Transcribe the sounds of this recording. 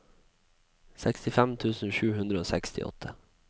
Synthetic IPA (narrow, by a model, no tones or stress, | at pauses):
sɛkst̪ɪfæmt̪ʰʉːsn̩ʃʉːhʉnd̪ɾəoːsækst̪ʰɪ̰ʔɔ̰t̪ʰə̥